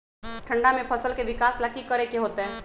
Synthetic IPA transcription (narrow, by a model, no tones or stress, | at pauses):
ʈʰə̃ɳɖamẽpʰəsəlkeʋɪkaːsləkikəɾekeɦoːt̪eɦɛ̃ː